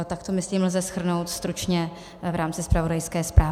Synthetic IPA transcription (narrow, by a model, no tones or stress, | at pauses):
t̪akt̪omɪsliːml̩zɛsxr̩no̞wt̪st̪ɾut͡ʃɲɛ | vɾaːmt͡sɪspɾavo̞dajskɛːspɾaː